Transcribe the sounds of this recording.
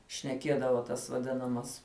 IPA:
ʃʲnʲɛˈkʲiɛdɐʋoː tɐs ʋɐˈdʲɪnɐmɐs

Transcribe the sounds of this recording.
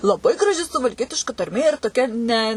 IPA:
lˠɐˈbɐɪ ɡrɐˈʒʲɪ sʊʋɐlʲˈkʲiɛtʲɪʃkɐ tɐrʲˈmʲeː ɪr toːˈkʲɛ nʲɛ

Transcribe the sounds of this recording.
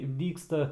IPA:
ˈdʲiːkstɐ

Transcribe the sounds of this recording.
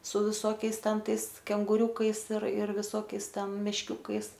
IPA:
sʊ ʋʲɪˈsoːkʲɛɪs ˈtʲɛn ˈtɐɪs kʲɛŋɡʊˈrʲuːkɐɪs ɪr ɪr ʋʲɪˈsoːkʲɛɪs ˈtʲɛn mʲɛʃʲˈkʲuːkɐɪs

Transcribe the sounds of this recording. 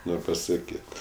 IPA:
ˈnoːrʲ pɐsɐˈkʲiːt

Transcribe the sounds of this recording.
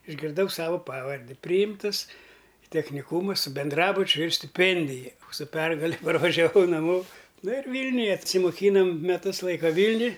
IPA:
ɪʒʲɡʲɪrˈdɐʊ ˈsɑːʋɐ ˈpɑːʋɐrʲdʲɪ ˈpʲrʲiːjɪmtɨs ɪ tʲɛxʲnʲɪˈkuːmɐ sʊ bʲɛnˈdrɑːbʊt͡ʃʲʊ ɪr sʲtʲɪˈpʲɛnʲdʲɪjɛ sʊ ˈpʲɛrɡɐlʲɛ pɐrʋɐʒʲɛˈʋɐʊ nɐˈmoː ˈnʊ ɪr ˈʋʲiːlʲnʲʊjɛ ɐtʲsʲɪmoːˈkʲiːnoːm mʲɛˈtʊs ˈlˠɐɪkɐ ˈʋʲiːlʲnʲʊj

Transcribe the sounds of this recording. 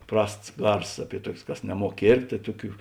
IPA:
ˈprɐsts ˈɡɐrsoːs ˈɑːˌpʲiɛ ˈtuɔkʲeːs ˈkɐs nʲɛˈmuɔk ˈkʲeːrʲpʲtʲeː tɐɪ ˈtʊˌkʲuː

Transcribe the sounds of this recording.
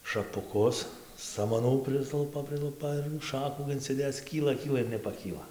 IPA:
ʃɐpʊˈkʊs sɐmɐˈnuː ˈpʲrʲɪslˠʊpɐ ˈpʲrʲɪlˠʊpɐ ɪr ˈʃɑːkuː ɪnʲt͡sʲɪˈdʲeːt͡s ˈkʲiːlˠɐ ˈkʲiːlˠɐ ɪr nʲɛpɐˈkʲiːlˠɐ

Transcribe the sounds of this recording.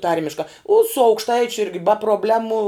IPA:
ˈtɐrʲmʲɪʃkɐ ʊ sʊ ɐʊkʃˈtɐɪt͡ʃʲʊ ˈɪrʲɡʲɪ bɐ proːbʲˈlʲæːmʊ

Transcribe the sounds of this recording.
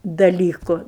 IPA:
dɐˈlʲiːkʊ

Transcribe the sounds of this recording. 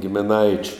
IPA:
ɡʲɪmʲɪˈnɐɪt͡ʃʲʊ

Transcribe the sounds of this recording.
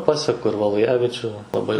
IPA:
ˈpɑːsʲɛkʊ ɪr ʋɐlˠʊjɛʋʲɪˈt͡ʃʲuː lˠɐˈbɐɪ

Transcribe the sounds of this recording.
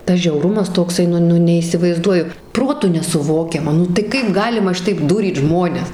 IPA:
ˈtɐs ʒʲɛʊˈrʊmɐs toːkˈsɐɪ ˈnʊ ˈnʊ nʲɛiːsʲɪʋɐɪzˈduɔjʊ ˈproːtʊ nʲɛsʊˈʋoːkʲɛmɐ ˈnʊ tɐɪ ˈkɐɪp ˈɡɑːlʲɪmɐ ˈʃʲɪtɐɪp ˈduːrʲiːt ˈʒmoːnʲɛs

